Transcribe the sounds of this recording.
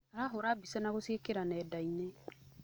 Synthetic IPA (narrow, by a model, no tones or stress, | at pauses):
alaɦoɾabisanaɡosiekeɾanɛdaine